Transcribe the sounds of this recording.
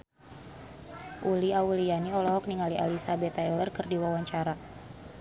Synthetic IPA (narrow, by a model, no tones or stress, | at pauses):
ʔuliaulijaniɔlɔɦɔk̚niŋalialisabɛt̪ailərkɨrdiwawaɲt͡ʃaɾa